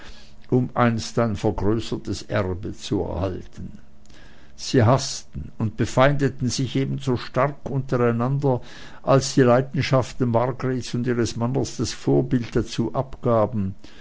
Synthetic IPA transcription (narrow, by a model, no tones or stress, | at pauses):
ʔʊmʔa̰ɪnstaɪnfɛɐɡʁøːsətəsʔɛ̰ʁbət͡suɛ̰ɐhaltən̩ | z̥iːɦastn̩ʊnt̚b̥əfaɪndətn̩zɪçʔeːbn̩zoːʃtaʁkʔʊntəʁaɪnandɐ | ʔalsd̥iːlaɪdn̩ʃaft̩maɐɡʁetsʊndiːʁəsmanɐsd̥asfoːɐbɪlt̚d̥at͡suːʔapɡ̥aːbn̩